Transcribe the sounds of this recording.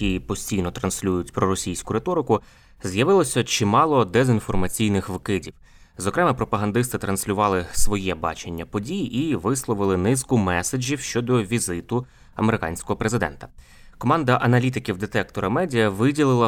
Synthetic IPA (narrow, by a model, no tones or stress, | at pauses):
ipɔsʲtʲijnɔt̪ɾɐnsʲlʲujʊtʲpɾɔɾɔsʲijsʲkʊɾet̪ɔɾɪkʊ | zjɐʋɪlˠɔsʲɐt͡ʃimɑlˠɔd̪ezinfɔrmɐt͡sʲijnɪxʋkɪdʲiw | zɔkɾɛmɛpɾɔpɐɦɐnd̪ɪst̪ɪt̪ɾɐnsʲlʲʊʋɑlˠɪsʋɔjɛbɑ̰t͡ʃenʲːɐpɔdʲijʔiʋɪslˠɔʋɪlˠɪnɪskʊmɛsɐd͡ʒʲiwʃt͡ʃɔd̪ɔʋʲizɪt̪ʊ | ɐ̰meɾɪkɑ̰nʲsʲkɔɦɔpɾezɪd̪ɛ̰nt̪ɐ̥ | kɔmɑnd̪ɐʔɐnɐlʲit̪ɪkʲiwd̪et̪ɛk̚t̪ɔɾɐmɛdʲijɐʋɪdʲilˠɪlˠɐ